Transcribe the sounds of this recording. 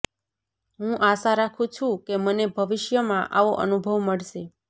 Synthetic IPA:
ɦũʔasaɾakʰũt͡ʃʰũkemənebʱəʋɪʃjəmãʔa̰ʋoʔə̰nubʱəʋməɭʃe

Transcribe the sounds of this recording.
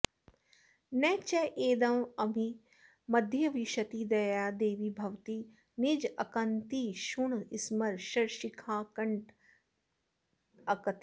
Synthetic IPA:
nɛt͡ʃɛʔeːd̪ɐmɐmi | mɐd̪ʱjɐʋiʃɐt̪id̪ɐjaːd̪eːʋibʱɐʋt̪iː | nid͡ʒɐkɐnt̪iʃuɳɪsmɐɾʃɐɾʃikʰaːkɐɳʈ | ɐkɐt̪i

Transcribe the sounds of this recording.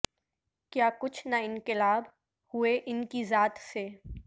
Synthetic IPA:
kjaːkʊt͡ʃʰnaɪ̃ŋkɪlaːb | hʊeʔɪnkizaːt̪se

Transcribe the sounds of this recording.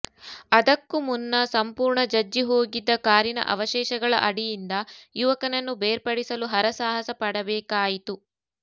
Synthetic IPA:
ɐd̪ɐkːumunːɐsɐmpuːɾɳɐd͡ʒɐd͡ʒːiɦo̞ːɡid̪ːɐkaːɾinɐ̰ʔɐ̰ʋɐʃɛːʃɐɡɐɭɐ̰ʔɐɽijind̪ɐjuʋɐkɐnɐnːubeːɾpɐɽisɐluɦɐɾɐsaːɦɐsɐpɐɽɐbɛːkaːjit̪u

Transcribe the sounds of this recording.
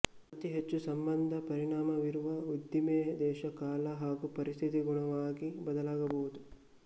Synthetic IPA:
ɐt̪iɦet͡ʃːusɐmbɐnd̪ʱɐpɐɾiɳaːmɐʋiɾuʋɐud̪jimeːd̪ɛːʃɐkaːlɐɦaːɡupɐɾist̪ʰit̪iɡuɳɐʋaːɡibɐd̪ɐlaːɡɐbɐɦud̪u

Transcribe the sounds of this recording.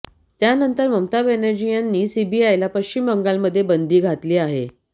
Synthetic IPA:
t̪janənt̪əɾməmt̪abenəɾd͡ʑijanːiːsibiajlapəɕt͡ɕimːəŋɡalməd̪ʱːjebənd̪iːɡʱat̪liːaɦḛ

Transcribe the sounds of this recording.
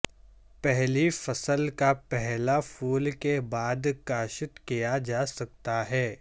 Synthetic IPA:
pɛɦlifɐsəlkapɛɦlafuːlkebaːd̪kaːʃət̪kijad͡ʒaːsɐk̚t̪aɦɛː

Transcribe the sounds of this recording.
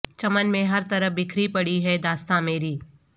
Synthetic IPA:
t͡ʃɐmənmẽɦɐɾt̪ɐɾəfbɪkʰɾipɐɽiɦɛd̪aːst̪ameːɾiː

